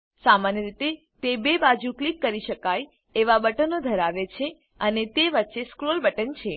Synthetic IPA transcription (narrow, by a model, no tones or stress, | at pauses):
samanjəɾit̪e | t̪ebebad͡ʒuklikːəɾiʃəkaj | eʋabəʈənod̪ʱəɾaʋet͡ʃʰe | ənet̪eʋətːʃeskɾolbəʈənt͡ʃʰe